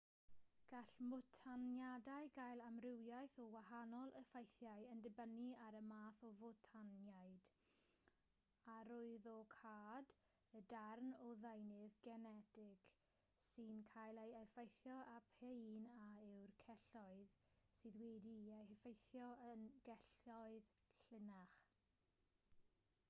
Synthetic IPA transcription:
ɡ̥aɬmɔtʰanjadaɨɡajlˠamrɪwjajθɔwaɦanɔlˠʔəfajθjajəndɪbəniaɾəmaːθɔvɔtʰanjajd̥ | aɾʊɨðɔkʰaːd | ədarnɔðajnɨðɡɛnɛdɪɡ | sɨnkʰajlˠejɛfejθjɔʔapʰejnaɪwrkʰɛɬɔɨðsɨːðwɛdiehɛfejθjɔənɡ̥ɛɬɔɨðɬɪnaχ

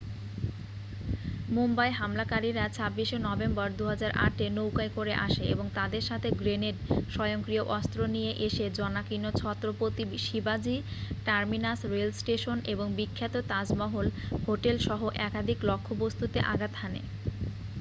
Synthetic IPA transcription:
mumbajɦamlakaɾiɾat͡ɕʰabːiʃonɔbembaɾd̪uɦad͡ʑaɾʔa̰ʈenowkajkoɾeʔa̰ʃeḛboŋt̪ad̪eɾʃat̪ʰeɡɾeneɾʃɔjoŋkɾioʔɔst̪ɾonijeʔeʃed͡ʑɔnakinot͡ɕʰɔt̪ːɾopot̪iʃibad͡ʑiʈaɾminasɾelsʈeʃoneboŋbikʰːat̪ot̪ad͡ʑmɔɦolhoʈelʃɔɦoʔɛkad̪ʱiklɔkʰːobost̪ut̪eʔa̰ɡat̪hanḛ

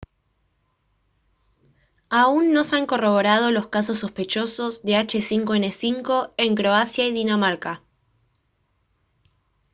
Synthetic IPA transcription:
aunːo̞seaŋko̞ro̞βo̞ɾað̞o̞lo̞skaso̞s̬ːo̞spe̞t͡ʃo̞so̞zðe̞at͡ʃe̞siŋkoenesiŋko̞e̞ŋkɾo̞asjaiðinamaɾka

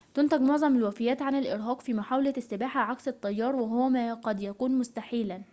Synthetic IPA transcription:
t̪ʊnt̪æɡmoʕzˤɑmɪlwæfɪjːæːt̪ʕanɪlʔɪɾɦæːqfiːmaħaːwlæsːɪbaːħaʕaksɪt̪ˤːɑjːɑːɾˤwɪɦowæmæqɑd̪jækuːnmʊst̪aħiːlæn

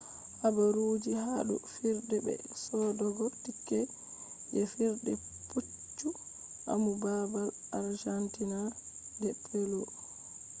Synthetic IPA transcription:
habaɾuːd͡ʒihaɗṵfiɾdɛbɛ̰ | sɔdɔɡɔtikːɛ | ʔɛfiɾdɛput͡ʃːu | ʔa̰mubabalʔaɾd͡ʒantinadɛpʰːɛlɔ

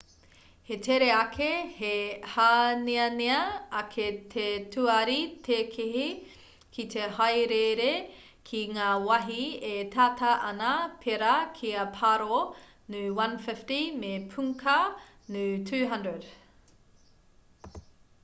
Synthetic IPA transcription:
hetʰeɾeɐkʰehehaniɐniɐɐkʰet̪ʰetʰuɐɾitʰeːkʰiɦi | kʰit̪ʰehɐjɾeɾe | kʰiŋaːwɐɦietʰaːtʰɐʔɐnɐpʰeɾɐkʰiɐpʰaɾo | nʉwɐ̃nfɪftimepʰuŋkʰɐ | nʉtʰʉːɦɐndɹəd

